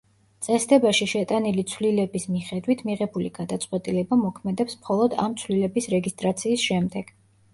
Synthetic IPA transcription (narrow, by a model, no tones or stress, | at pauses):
t̪sʼɛsd̪ɛbaʃiʃɛt̪ʼanilit̪sʰwlilɛbismiχɛd̪wit̪ʰmiʁɛbuliɡ̥ad̪at̪sʼqʼwɛt̪ʼilɛbamɔkʰmɛd̪ɛpsmχɔlˠɔd̪a̰mt̪sʰwlilɛbisɾɛɡist̪ʼɾat̪sʰiːsʃɛmd̪ɛɡ̥